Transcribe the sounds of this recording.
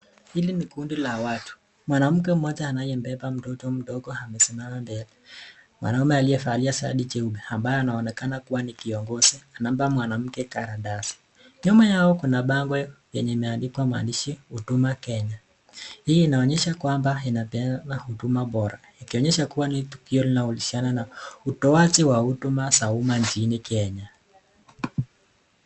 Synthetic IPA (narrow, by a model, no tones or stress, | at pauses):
hilinikundilawatu̥ | mwanam̩k̬ɛm̩mɔʄaːnajɛmbɛpam̩tɔtɔm̩ɗɔɡɔhamɛsɛmamambɛlɛ | mwa̰naumɛalijɛfaːliasaa̰ɗit͡ʃɛuɓɛambajɔanaɔnɛkanakuwanikiɔŋɡɔzɛanam̩bamwanam̩kɛkaɾadasi̥ | ɲɔmajaɔkunaɓaŋɡwɛjɛɲɛimɛandikwamwa̰ndiʃiutumakɛɲa | hiːnaɔɲɛʃakwambainapɛnahutumaɓɔɾa̰ | ikiɔɲɛʃakuwanitukiɔlinaulisiananautɔatiwautumasaumant͡ʃinikɛɲa